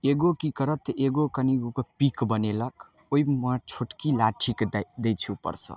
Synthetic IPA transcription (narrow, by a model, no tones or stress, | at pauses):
eɡokikəɾət̪eɡokəniɡokopikbənelək | oimət͡ʃʰoʈkilaʈʰikd̪ejt͡ʃʰupə̰ɾsə̰